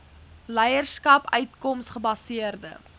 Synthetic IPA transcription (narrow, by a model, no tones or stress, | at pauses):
lɛjərskɐpœɥtkɔmsχəbɐsiərdə̰